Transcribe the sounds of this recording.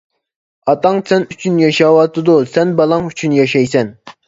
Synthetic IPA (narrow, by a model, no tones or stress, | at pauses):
ɑt̪ɑŋsɛnyt͡ʃʰynjɑʃɑwɑt̪ɨd̪usɛnbɑlˠɑŋyt͡ʃʰynjɑʃɛjsɛn